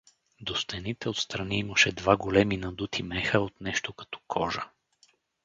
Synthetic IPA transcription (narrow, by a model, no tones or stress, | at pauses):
d̪ost̪ɛnit̪ɛot̪st̪ɾɐniimɐʃɛd̪vaɡolɛminɐd̪ut̪ʰimɛxəot̪nɛʃt̪okɐ̥t̪ɔ̥kʰɔʒə